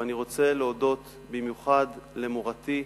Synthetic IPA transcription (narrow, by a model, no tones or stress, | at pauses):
aniʁo̞t͡se̞leodo̞t̪ | bimjuχadle̞moʁati